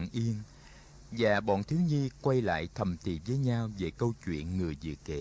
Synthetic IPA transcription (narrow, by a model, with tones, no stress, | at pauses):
ŋʔi˧ən | zaː˨˩ɓɔ̰˧˨nt̪ʰi˨˦əwɲi˧kwa˧jla̰ː˧˨jt̪ʰə˨˩mt̪i˨˩vəː˨˦jɲaː˧wve˨˩kə˧wt͡ɕwḭ˧˨ənŋɨ˨˩əjzɨ̰˧˨kḛ˧˨